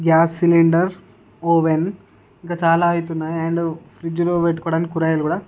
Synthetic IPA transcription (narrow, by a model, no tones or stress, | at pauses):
ɡjaːsːiliɳɖɐɾ | oːʋen | iŋkɐt͡ʃaːlaːjit̪unːaɛɳɖfɾid͡ʒuɾoːʋeʈkuːɽankuɾɐjɐlkuːɽa